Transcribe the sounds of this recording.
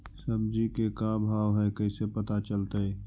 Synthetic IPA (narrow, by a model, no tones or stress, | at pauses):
səmd͡ʒikekabʱaːʋɦɛkɐisepət̪at͡ʃəlt̪aɛː